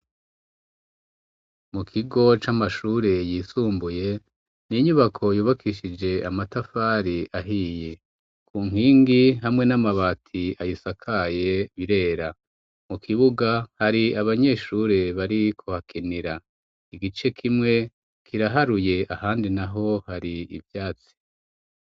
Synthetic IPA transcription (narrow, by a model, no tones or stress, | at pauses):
mukʰiɡo̞t͡ʃamaʃuːɾe̞jiːsuːmbuje̞ | niɲuβakʰo̞juːβakʰiʃid͡ʒe̞amatafaːɾiʔaɦije | kuːŋ̥hiːŋɡiɦamŋe̞namaβaːtʰiajisakʰaje̞βiɾe̞ːɾa | mukʰiβuɡahaɾiaβaɲe̞ːʃuːɾe̞βaɾikʰohakʰiniɾa | iɡit͡ʃe̞kʰimŋe̞ | kʰiɾaɦaɾuje̞ʔahaːndinaɦo̞haɾiḭvjaːt͡si̥